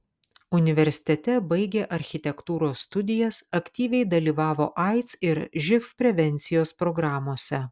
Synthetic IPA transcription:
ʊnʲɪʋʲɛɾʲsʲɪ̥t̪ʲɛt̪ʲɛbɐɪɡʲeːʔɐɾʲxʲɪt̪ʲɛkt̪uːɾoːsːt̪ʊd̪ʲɪjɛsɐkʲt̪ʲiːʋʲɛɪd̪ɐlʲiːʋɑːʋoːʔɐɪt̪sɪɾʒʲɪfpʲɾʲɛʋʲɛnʲt̪sʲɪjoːspɾoɡɾɑːmoːsʲɛ

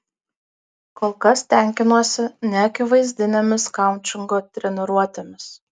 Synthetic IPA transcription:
koːlˠkɐst̪ʲɛˑŋʲkʲɪnuɔsʲɪnʲɛɐkʲɪʋɐɪzʲd̪ʲɪnʲɛmʲɪskɑˑʊnʲt͡ʃʲɪŋɡoːt̪ʲɾʲɛnʲɪɾuɔt̪ʲemʲɪs

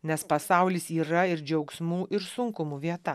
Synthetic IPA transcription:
nʲɛspɐsɑˑʊlʲisiːɾɐɪɾd͡ʒʲɛʊksmuːʔɪɾsʊŋkʊmuʋʲiɛt̪ɐ

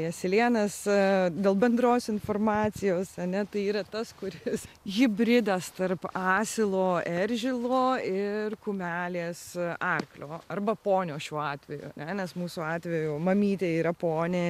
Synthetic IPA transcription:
jɛsʲɪlʲiɛnɐsd̪ʲeːlˠbʲɛnd̪ɾoːsɪnfoːrmɑːt͡s̪ʲɪjoːsɐnʲɛt̪ɐɪiːɾɐt̪ɐskʊɾʲɪsɣʲɪbʲɾʲɪd̪ɐst̪ɐrpɑːsʲɪlˠoːɛɾʲʒʲɪlˠoːɪrkʊmʲæːlʲeːsɑrklʲoːɐrbɐpoːnʲoːʃʲuːɑːt̪ʲʋʲɛjṵɐ̰nʲɛnʲɛsmuːsʊɑːt̪ʲʋʲɛjuːmɐmʲiːt̪ʲeːiːɾɐpoːnʲe

